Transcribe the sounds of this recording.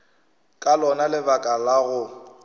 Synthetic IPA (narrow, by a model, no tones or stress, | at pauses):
kʼalɔnalɪbakʼalaɣʊ